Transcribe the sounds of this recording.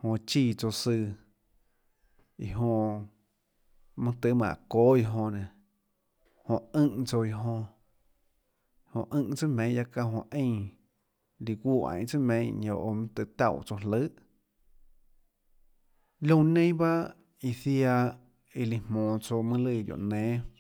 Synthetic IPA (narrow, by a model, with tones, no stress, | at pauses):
hõ˧t͡ʃiː˧˨t͡so˧sɨ˧ | ḭ˧ɦõ˧ | mɨ̃˦˧t̪ɨ˧˦mã̰˨ʔkoː˦i˧ɦõ˧nẽ˨ | hõ˧˨ɨ̃˦˧˦ʔt͡so˧i˧ɦõ˧˨ | hõ̰˧ʔɨ̃˧ʔt͡sɨ˦mẽ˨˦˧ja˧ka˧ɦõ˧ʔẽ˦˧˨ | li˧ɡʷu˦˧ʔã̰˧˨ʔt͡sɨ˦mẽ˧˦ɲõ˧˨ʔo˧mɨ̃˦t̪ɨ˧˨t̪a˦˧˨wt͡so˧ɦlə˦ʔ | lõ˧nẽ˦j̃ba˦ | i˧˨θja˧ | i˧li˧mmõː˨t͡so˧mɨ̃˦lɨ˧˨d̪ʲjo̰˨ʔnẽː˨˦